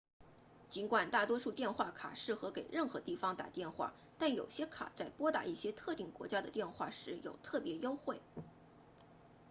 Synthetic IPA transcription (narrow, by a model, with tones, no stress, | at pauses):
t͡ɕi˧˥nkwa˨˩nt̪a˥˩t̪wɔ˥ʂu˥˧t̪jɛ˥˧nxwa˥˩kʰa̰˨˩ʂɻ̩˥˩xɤ˧˥ke˨˩ɪɻə˥˩nxɤ˧˥t̪i˥˩fɑ˧˥ŋt̪a̰˨˩t̪jɛ˥˧nxwa̰˥˩ | t̪a˥˩njo˨˩ʊɕjɛ˥kʰa̰˨˩t͡sa˥˩ɪpwɔ˥t̪a̰˥˩i˥˩ɕjɛ˥t̪ʰɤ˥˧t̪i˥˩ŋkwɔ̰˧˥t͡ɕja˥d̪ə˨t̪jɛ˥˧nxwa˥˩ʂɻ̩˧˥jo˨˩ʊt̪ʰɤ˥˩pjɛ˧˥jo˥ʊxwe˥˩ɪ